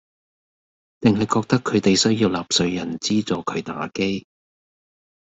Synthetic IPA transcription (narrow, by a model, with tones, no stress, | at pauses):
t̪ɪ˨ŋɦɐ˨jkɔː˧k̚t̪ɐ˥kʰːɵ˨˧ɥt̪e˨jsɵ˥ɥjiː˧wlaː˨p̚sɵ˧ɥjɐ˨˩nt͡siː˥t͡sɔː˨kʰɵ˨˧ɥt̪a̰ː˨˥ke˥j